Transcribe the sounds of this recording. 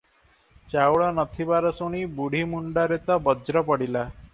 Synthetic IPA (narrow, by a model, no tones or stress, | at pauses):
t͡ʃawɭɔnʌt̪ʰibaɾɔsuɽ̃ibuɽ̤imuɳɖaɾet̪ɔbɔd͡ʒɾɔpɔɽila